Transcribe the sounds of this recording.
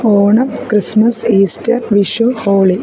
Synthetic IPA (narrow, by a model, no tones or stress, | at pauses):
oːɳɐpkɾismɐsiːstɐ̰ɾʋiʃuhoːɭi